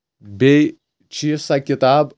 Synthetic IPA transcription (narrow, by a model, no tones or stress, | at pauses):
bʲɛɪ | t͡ʃʲisɐkʲɪt̪ɑːp